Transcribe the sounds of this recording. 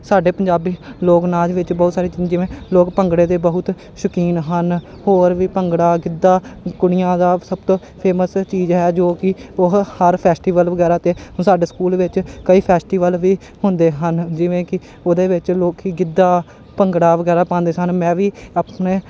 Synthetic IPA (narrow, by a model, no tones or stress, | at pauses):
saːɖeːpəɲd͡ʒaːbiːloːknaːd͡ʒʋɪt͡ʃbɔːt̪saːɾiːt͡ʃiːd͡ʒɪʋẽːloːkpəŋɡɽeːt̪eːbəɦʊt̪ | ʃəkiːnɦən | hoːɾʋiːpəŋɡɽaːɡɪd̪ːaːkʊɽɪjãːd̪aːsəb̚t̪õː | pʰeːməst͡ʃiːd͡ʒɦɛːd͡ʒoːkɪʊɦhəɾpʰɛːsʈiːʋəlʋəɡɛːɾaːt̪eːsaːɖeːskuːlʋɪt͡ʃkəiːpʰɛːsʈiːʋəlʋiː | ɦʊnd̪eːɦənd͡ʒɪʋẽːkɪ | oːd̪eːʋɪt͡ʃloːkɦiːɡɪd̪ːaː | pəŋɡɽaːʋəɡɛːɾaːpãːnd̪eːsənmɛ̃ːʋiːəpneː